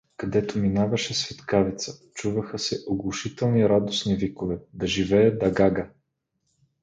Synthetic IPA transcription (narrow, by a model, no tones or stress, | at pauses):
kɐd̪ɛt̪ominavɐʃɛsvɛt̪kavit̪sə̥t͡ʃuvəxəsɛʔoɡlˠʊʃit̪ɛlˠniɾad̪osnivikovɛd̪ɐʒivɛjəd̪d̪ɐɡaɡə